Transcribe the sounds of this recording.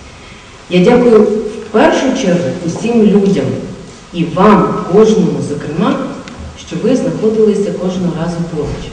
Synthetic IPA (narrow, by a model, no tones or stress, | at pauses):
jadʲakʊjʊwpɛrʃʊt͡ʃɛrɦʊːsʲimlʲudʲɐm | iʋɑmkɔʒnɔɦʊzɐkɾɪmɑ | ʃt͡ʃɔʋɪznɐxɔd̪ɪlˠɪsʲɐkɔʒnɔɦɔɾɑzʊp̪ɔɦɪt͡ʃʲ